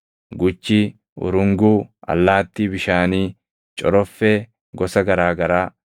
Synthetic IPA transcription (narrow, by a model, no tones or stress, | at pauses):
ɡʊt͡ʃːɪ | ʊ̰ɾʊŋɡuːɐ̰lːaːt̪ːiːbɪʃaːniː | t͡ʃʼɔɾɔfːeː | ɡɔsɐɡɐɾaːɡɐɾaː